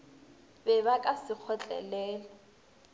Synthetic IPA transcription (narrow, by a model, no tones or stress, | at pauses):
bɛβakʼasɪk͡xʰɔt͡ɬʼɛ̰lɛːlɔ